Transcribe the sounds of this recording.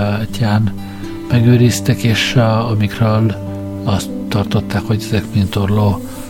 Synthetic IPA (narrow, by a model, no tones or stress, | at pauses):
caːn | mɛɡøːɾist̪ɛkeːʃɒmikrøːl | ɒst̪ːɒrt̪o̞t̪ːaːkho̞ɟɛzɛkmint̪orloː